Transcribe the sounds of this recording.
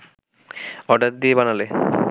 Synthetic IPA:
ɔɖaɾd̪iebanale

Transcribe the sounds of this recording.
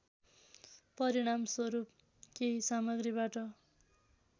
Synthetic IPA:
pʌɾiɽ̃amswʌɾup̚ | kejsamʌɡribaʈʌ

